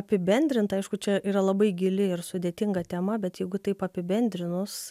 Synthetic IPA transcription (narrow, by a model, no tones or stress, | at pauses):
ɐpʲɪbʲɛnʲd̪ʲɾʲɪnt̪ɐɪʃkʊt͡ʃʲɛʔiːɾɐlˠɐbɐɪɡʲɪlʲɪɪrsʊd̪ʲeːt̪ʲɪŋɡɐt̪ʲɛmɐbʲɛt̪jɛɪɡʊt̪ɐɪpɐpʲɪbʲɛnʲd̪ʲɾʲɪnʊs